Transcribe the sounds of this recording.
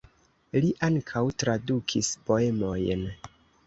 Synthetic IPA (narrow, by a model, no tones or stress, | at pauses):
liʔaŋkʰawtɾadukʰispo̞e̞mo̞jn